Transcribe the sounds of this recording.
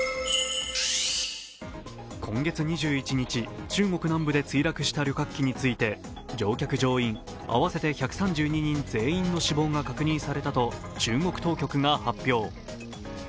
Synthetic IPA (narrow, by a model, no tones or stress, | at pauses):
kʰõ̞ŋɡe̞t͡sɨɲ̟iʑɨːit͡ɕiɲ̟it͡ɕit͡ɕɨːŋo̞kɯ̟nãmbɯ̟d̪e̞t͡sɨiɾakɯ̟ɕi̥t̪aɾʲjo̞kakːʲiɲ̟it͡sɨit̪e̞ | d͡ʑo̞ːkʲakɯ̟d͡ʑo̞ːĩŋ | a̰βase̞t̪e̞çakɯ̥sãɲ̟d͡ʑɨːɲ̟iɲ̟ĩnd͡ze̞ːĩnːo̞ɕibo̞ːŋɡakakɯ̟ɲ̟ĩɰ̃saɾe̞t̪at̪o̞ | t͡ɕɨːŋo̞kɯ̟t̪o̞ːkʲo̞kɯ̟ŋahapʲːjo̞ː